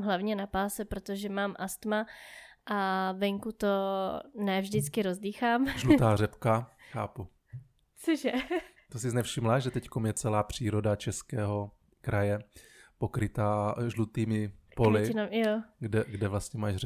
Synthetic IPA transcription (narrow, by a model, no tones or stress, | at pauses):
mɦlavɲɛnapaːsɛpɾot̪oʒɛmaːmʔast̪maʔavɛŋkut̪onɛvʒdɪt͡skɪɾozdiːxaːmʒlut̪aːrɛpkaxa̰ːpu | t͡soʒɛ | t̪osɪznɛfʃɪmlaːʒɛt̪ɛckomjɛt͡sɛlaːpr̝̥iːɾo̞dat͡ʃɛskɛːɦo̞ | kɾajɛ | pokɾɪt̪aːʒlut̪iːmɪpolɪɪnamjoɡdɛɡdɛvlast̪ɲɛmaːʃrɛ